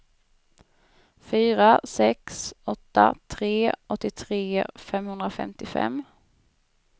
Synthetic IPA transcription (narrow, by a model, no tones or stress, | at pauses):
fyːɾasɛksɔt̪ːa̰t̪ʰɾeːʔɔt̪ːɪt̪ʰɾeːfɛmhɵnd̪ɾafɛ̰mt̪ɪfɛ̰mː